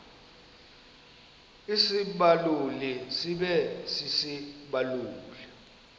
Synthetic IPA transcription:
isiɓalulisiɓɛsisiɓaluːli

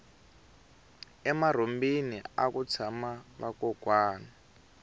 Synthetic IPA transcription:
ɛmar̤ombiniakut͡sʰamaβakɔɡ̥ʱwaːna

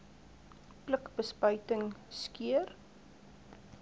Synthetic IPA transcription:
pləkbəspœɥtəŋskiər

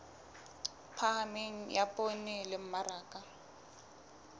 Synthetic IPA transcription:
pʰaɦameŋ̩japʼonɪlɪm̩maɾaːkʼa

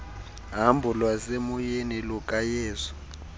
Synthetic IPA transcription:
ɦambʱulwasemujenilukʼajeːzɔ̥

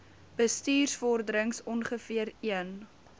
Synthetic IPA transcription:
b̥əstiːrsfɔrdəɾəŋsɔnχəfiəɾiən

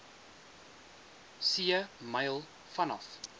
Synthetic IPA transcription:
siəmɐjlˠ | fɐnɐf

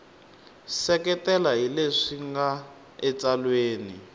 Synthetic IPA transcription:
sɛkɛtɛlaɦileʂiŋɡa | ɛt͡salweːni

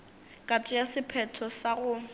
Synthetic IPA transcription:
kʼatʼʊjasɪpʰɛtʰɔsaɣʊ

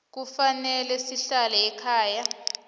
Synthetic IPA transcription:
k̬ufanɛlɛsiɬalɛɛkʰaːja

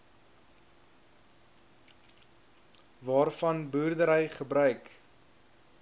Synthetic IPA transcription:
vɑːrfɐnbuːrdəɾəjχəbɾœɥk

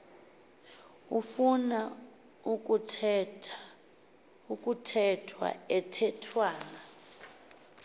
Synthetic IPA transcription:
ufuna | uk̬ʼutʰɛtʰa | ukʼutʰɛtʰwa̰ɛtʰɛtʰwaːna

